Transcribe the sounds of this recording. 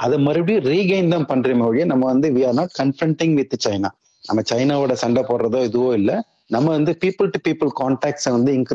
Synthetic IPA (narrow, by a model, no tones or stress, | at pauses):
ʔɐðɐmɐɾɯɽiɾiːɡɐɪnd̪ɐmpɐɳɾimɐʋɽjeːnɐmːɐʋɐnd̪ɯʋiaːnãːkɐɳfɾɐɳʈɪ̃ŋɡʋɪt̪ːɯt͡ʃɐɪna̰ː | nɐmːɐt͡ʃɐɪnaːʋɪɽɐsɐɳɖɐpoːɾɾɐðoːɪðɯʋõːɪlːɐ | nɐmːɐʋɐnd̪ɯpiːpɯlʈupiːpɯlkaːɳʈaːk̚ʈsɐʋɐnd̪ɯɪŋk